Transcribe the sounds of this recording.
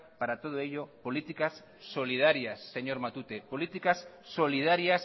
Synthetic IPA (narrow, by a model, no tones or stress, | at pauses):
paɾat̪oð̞oeʎopolit̪ikasː | olið̞aɾjasːeɲoɾmat̪ut̪epolit̪ikasː | olið̞aɾjas